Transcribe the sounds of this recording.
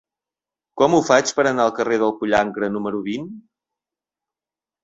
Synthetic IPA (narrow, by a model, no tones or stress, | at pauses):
kɔmufat͡ʃpəɾənaəlˠkəreðəlˠkuʎaŋɡɾənuməɾuβin